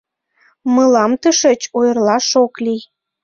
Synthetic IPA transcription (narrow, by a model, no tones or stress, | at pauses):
məlɑmt̪əʃə̆t͡ɕojərlɑʃoklij